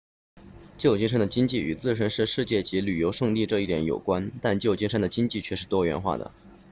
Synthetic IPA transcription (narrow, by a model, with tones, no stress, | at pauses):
t͡ɕjo˥˩ʊt͡ɕi˥˧ʂə˥ŋd̪ə˨˩t͡ɕi˥ŋt͡ɕi˥˩y˨˩t͡sɹ̩˥˩ʂ̬ə˧˥nʂɻ̩˥˧ʂɻ̩˥˧t͡ɕjɛ˥˩t͡ɕi˧˥ly˨˩jo˧˥ʊʂɤ˥˧ŋli˥˧ʈ͡ʂɤ˥˧i˥˩jɛ̰˧˥njo̰˨˩ʊkwa˥nt̪a˥˧nt͡ɕjo˥˧ʊt͡ɕi˥˧ʂə˥nd̪ə˩t͡ɕi˥ŋt͡ɕi˥˧t͡ɕʰɥɛ˥˧ʂɻ̩˥˩t̪wɔ˥ɥɛ̰˧˥nxwa̰˥˩d̪ə̰˩